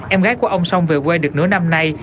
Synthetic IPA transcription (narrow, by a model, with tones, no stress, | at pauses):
ʔɛ˧mɣaː˨˦jku˧˩ʔə˧wŋ͡msa˧wŋ͡mvɨ˨˩kwe˧ɗɨ˨˩ək̚nɨ̰˧˥əna˧mna˧j